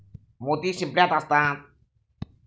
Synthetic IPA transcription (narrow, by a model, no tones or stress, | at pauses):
mut̪isimpljat̪ast̪ãt̪